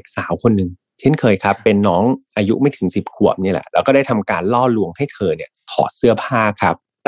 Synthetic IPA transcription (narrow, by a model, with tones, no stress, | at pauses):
k̚saː˩˦wkʰo˧nːɯ˨˩ŋ | t͡ɕʰe˥˩˨nkʰɤː˧jkʰa˦˥pːe˧nːɔː˦˥ŋʔaː˧jṵ˦˥maː˥˩jt̪ʰɯ˩˦ŋsi˨˩p̚kʰu˨˩əp̚ni˥˩lɛ̰˨˩ʔlɛː˦˥wkɔː˥˩daː˥˩jt̪ʰa˧mkaː˧nlɔː˥˩lu˧əŋha˥˩jt̪ʰɤː˧ni˥˩k̪ʰɔ̰ː˨˩t̪̚sɯ˥˩ɐpʰaː˥˩kʰɾa˦˥p̚